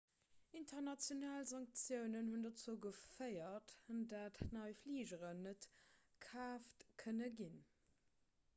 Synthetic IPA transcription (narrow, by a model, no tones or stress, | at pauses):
intʰəʁnɑt͡sjonaːlzɑŋk̚t͡sjəʊnənhundɑt͡suːɡəfəɪɐtdatnɑɪfliːʒəʁənːət | kʰaːftkʰənəɡin